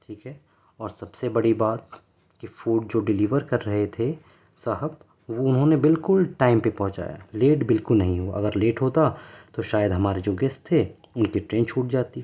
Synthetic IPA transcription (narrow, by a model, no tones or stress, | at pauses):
ʈʰiːkɦɛː | ɔːɾsɐbsebɐɽibaːt̪̚ | kifuːɖ̚d͡ʒoːɖɪliːʋəɾkɐɾːɐɦet̪ʰe | saɦəb̚ | ʋoʊnɦõnebɪlkʊlʈaːɪmpepɔ̃ɦʊ̃t͡ʃa̰ːja̰leːʈbɪlkʊlnɐɦĩɦoːʔɐ̰ɡəɾleːʈɦoːt̪at̪oʃaːjəd̪ɦɐmaːɾed͡ʒoːɡɛst̪t̪ʰːe | ʊnkiʈɾẽːnt͡ʃʰuːʈ̚d͡ʒaːt̪i